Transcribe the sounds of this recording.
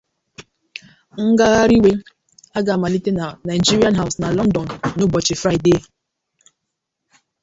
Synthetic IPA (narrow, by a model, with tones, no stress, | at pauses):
ŋ̩˦ɡa˦ɣa˦ɾi˦we˦ | a˦ɡa˨ma˨li˦te˦na˨na˨d͡ʒi˦ɾi˦a˦nɦa˦˨ʊ˨sna˨lɔ˦n˦dɔ˨nːu˦bɔ˨t͡ʃɪ˨fɾa˦jde˦˨